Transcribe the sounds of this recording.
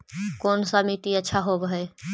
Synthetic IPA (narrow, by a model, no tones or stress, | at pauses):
koːnsamiːʈiətːʃʰaɦobɦe